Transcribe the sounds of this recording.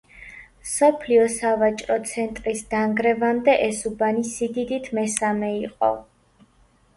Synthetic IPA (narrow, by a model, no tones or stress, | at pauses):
msɔpʰliɔsavat͡ʃʼɾɔt̪sʰɛnt̪ʼɾisd̪aŋɡɾɛvamd̪ɛʔɛsubanisid̪id̪it̪ʰmɛsamɛiqʼɔ̰